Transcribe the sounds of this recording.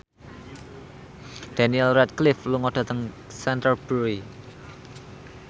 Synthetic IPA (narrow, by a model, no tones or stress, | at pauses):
d̪̥aniɛlrɛt̪̚klɪfluŋɔd̥a̤t̪əŋ | sɛnt̪əlb̥ui